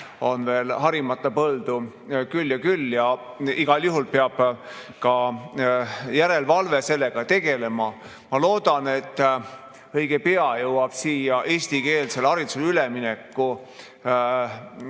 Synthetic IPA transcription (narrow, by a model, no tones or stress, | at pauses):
o̞nve̞ːlɦɑɾimɑt̪ˑːɑpɤld̪̥u | kylːjɑkylːjɑ | iɡ̥ɑljuɦulpeɑb̥ | kɑ | jæɾe̞lvɑlve̞se̞lːe̞ɡ̥ɑt̪e̞ɡ̥e̞le̞mɑ | mɑlo̞ːd̪̥ɑne̞t̪ːˑ | ɤ̞jɡ̥e̞pe̞ɑjɤwɑb̥siːjɑʔe̞ːst̪ike̞ːlse̞lɑɾit̪sulyleminekːu